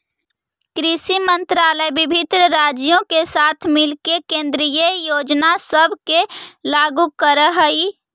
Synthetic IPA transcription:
kɾisimənt̪ɾaːləjbɪbʱɪt̪ɾəɾad͡ʒijõkesaːt̪ʰmɪlkekẽnd̪ɾijəjoːd͡ʒnasəbʱkelaɡukəɾəɦəi

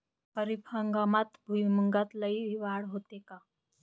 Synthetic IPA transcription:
pəɾipʰəŋɡamat̪bʱujməŋɡat̪ləiiʋaɽɦot̪eka

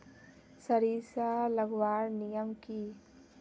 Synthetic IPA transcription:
sɐɾiːsaːlɐɡwaːɾnijəmkiː

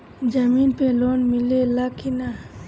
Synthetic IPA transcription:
d͡ʒəminpeloːnmɪlelakina

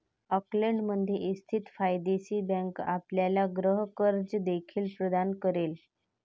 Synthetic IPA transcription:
əkləɳɖməd̪ʱjeʔist̪ʰit̪fajd̪esiːbə̃ŋka̰pljalaɡɾəɦkəɾd͡zəd̪ekʰiːlpɾəd̪ankəɾel

